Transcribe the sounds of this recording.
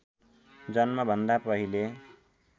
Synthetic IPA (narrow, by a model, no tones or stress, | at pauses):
d͡zʌnmabʱʌnd̪apʌɦile